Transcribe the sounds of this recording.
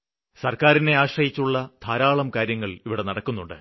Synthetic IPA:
sɐrkaːɾine̞aːɕrɐjit͡ɕːuɭːɐd̪̥ʱaːɾaːɭɐmkaːɾjɐŋːɐɭiʋiɽe̞nɐɽɐkːunːuɳɖɨ̰

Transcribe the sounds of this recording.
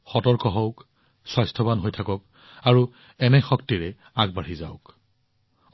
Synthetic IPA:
xɔtɔɹkɔɦɔʊk | sɔjstʰɔbanɦojtʰakɔk̚ | aɹu | ɛnɛxɔktiɹɛ | aɡ̚baɹizaʊk

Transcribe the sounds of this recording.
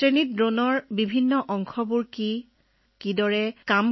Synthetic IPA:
ɹenit̚dɹonɔɹbibʱinːɔʔɔŋkʰɔbuɹki | kidɔɹɛkam

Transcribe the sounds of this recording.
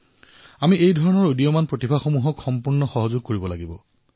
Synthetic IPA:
amiejdʱɔɹɔnɔɹodijɔmanpɹotibʱaxomuɦɔkxɔmpuɹnɔxɔɦɔzʊɡ̚koɹibɔlaɡibɔ

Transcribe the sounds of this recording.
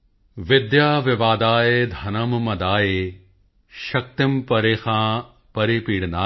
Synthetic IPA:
ʋɪd̪jaːʋɪʋaːd̪aːjeːd̪ʱɐnɐmmɐd̪aːje | ʃɐk̚t̪ɪmpɐɾeːxãː | pɐɾipiːɽnaː

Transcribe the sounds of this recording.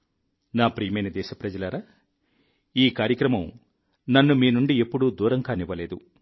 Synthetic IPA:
naːpɾijɐmɐjnɐd̪ɛːʃɐpɾɐd͡ʒɐlaːɾaː | iːkaːɾjɐkɾɐmɐm | nɐnːumiːnuɳɖiepːuɽud̪uːɾɐŋɡaːniʋɐleːd̪ṵ

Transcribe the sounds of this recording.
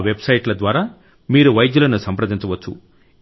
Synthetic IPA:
ʋebsɐjʈlɐd̪ʋaːɾaː | miːɾuʋɐjɐd̪julɐnusɐmpɾɐd̪iɲt͡ʃɐʋɐt͡ʃːu

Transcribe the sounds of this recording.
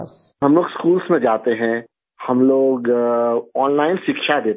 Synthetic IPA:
ɦɐmloːɡskuːlsmẽd͡ʒaːt̪eɦɛ̃ | hɐmloːɡ | ɔːnlaːɪnʃɪkʃad̪eːt̪

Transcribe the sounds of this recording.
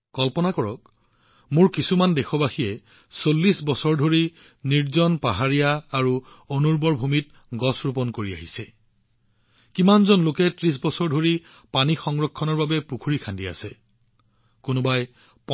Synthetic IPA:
kɔlpɔnakɔɹɔk | mʊɹkisumandɛxʰɔbaxijɛ | solːisbɔsɔɹdʱoɹi | niɹzɔnpaɦaɹijaːɹu | onuɹbɔɹbʱumit̚ | ɡɔsɹupɔnkoɹia̰ɦisɛ | kimanzɔnlokɛtɹis̬bɔsɔɹdʱoɹi | panixɔŋɹɔkʰːɔnɔɹbabɛpukʰuɹikʰandia̰sɛ | kʊnʊbaj | p

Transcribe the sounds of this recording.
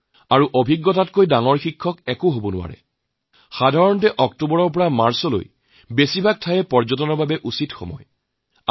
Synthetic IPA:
aɹuʔobʱiɡːɔtatkojdaŋɔɹxikʰːɔkɛkʊɦobɔnʊwa̰ɹɛ̰ | xadʱaɹɔntɛʔɔk̚tubɔɹɔɹpɔɹamaɹsɔlo̰j | besibʱak̚tʰajɛpɔɹzɔtɔnɔbʱabɛʔusitxɔ̰mɔ̰j

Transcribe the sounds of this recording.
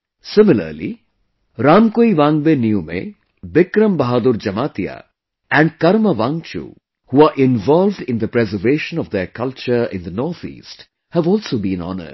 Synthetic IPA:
sɪmɪlə̰ɾlḭ | ɾaːmkoːiʋãːŋɡbenijumḛ | bɪkɾəmbɐɦaːd̪ʊɾd͡ʒɐmaːt̪ija̰ | ɛ̃ɳɖkɐɾməʋãːŋt͡ʃṵ | huaːʔɪ̃nʋɔːlʋɖɪ̃nd̪əpɾɛzəɾʋeːʃə̃nɔʋd̪ekɐlt͡ʃəɾɪ̰̃nd̪ənɔːɾt̪ʰḭːsʈ | hæʋɔːlsoːbĩːnɔ̰nə̰̥

